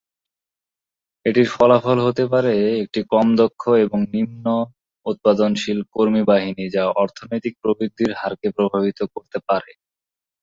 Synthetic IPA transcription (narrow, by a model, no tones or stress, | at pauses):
eʈiɾfɔlafolɦot̪epaɾeek̚ʈikɔmd̪okʰːoeboŋnimno | ut̪̚pad̪onʃilkoɾmibaɦinid͡ʑaɔɾt̪ʰonojt̪ik̚pɾobɾid̪ʱːiɾɦaɾkepɾobʱabit̪okoɾt̪epaɾe